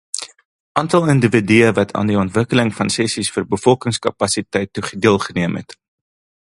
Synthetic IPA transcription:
ʔɑːntɐlˠəndəvədyəvɐtʰɑ̰ːndiɔntvəkələŋfɐnsɛsisfərbəfɔlˠkəŋskɐ̰pɐsitɛjtːuχədiəlˠχəniəmɦɛ̰t

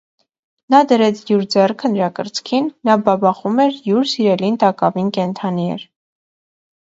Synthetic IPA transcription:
nɑd̪əɾɛt͡sʰjuɾd͡zɛrkʰənəɾɑkəɾt͡skʰinːɑbɑbɑχumɛɾjuɾsiɾɛlint̪ɑkɑvinkɛnt̪ʰɑniɛ̰ɾ

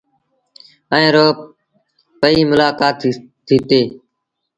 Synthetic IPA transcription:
əẽːɾoː | pəiːmʊlaːkaːt̪ː | ɪt̪eː

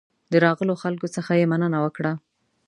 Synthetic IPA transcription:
d̪əɾɑɣəloxalkot͡səxajemanənawəkɽa

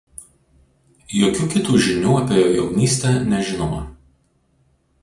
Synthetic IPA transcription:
joːkʲuːkʲɪt̪uːʒʲɪnʲuːɐpʲeːjoːjɛʊnʲiːsʲt̪ʲɛnʲɛʒʲɪnoːmɐ

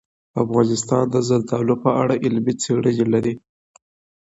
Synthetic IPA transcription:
afɣɑnɪst̪ɑnd̪əzald̪ɑlopəaɽaʔɪlmit͡seɽəd͡ʒelaɾi

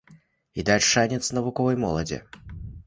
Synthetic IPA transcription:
id̪alʲʂanʲɛt̪snɐvʊkɔvɐjmɔlˠɐd͡zʲɛ̰

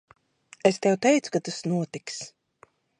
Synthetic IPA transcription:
est̪ɛwt̪ɛjt̪su̥kat̪asnuɔt̪iks

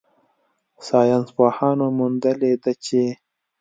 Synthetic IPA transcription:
sɑjɑnspɑːhɑnomund̪əled̪at͡ʃe

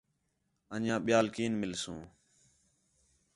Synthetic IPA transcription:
ə̃njãːɓɪjaːlkiːnmɪlsṵ̃ː

